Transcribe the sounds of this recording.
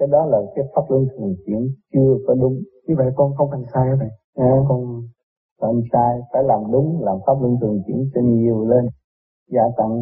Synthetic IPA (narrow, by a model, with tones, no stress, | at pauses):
kaː˨˦jɗɔ˨˦laː˨˩kaː˨˦jfaː˦˥p̚lə˧ŋt̪ʰɨ˨˩əŋkḭ˧˩˦ənt͡ɕɨ˧əkɔ˨˦ɗʊ˨˦ŋ͡mɲɨ˧və̰˧˨jkɔ˧nkɔ˧ŋfa˨˩nsaː˧ja˨˦və̰˧˨j | ʔa˨˧˩kɔ˧n˧ | fa˨˩nsaː˧jfaː˧˩˦jlaː˨˩mɗʊ˨˦ŋ͡mlaː˨˩mfaː˦˥p̚lə˧ŋt̪ʰɨ˨˩ŋkḭ˧˩˦ənt͡ɕe˧nɲi˨˩əwle˧n | zaː˧˩k̪a̰˧˨ŋ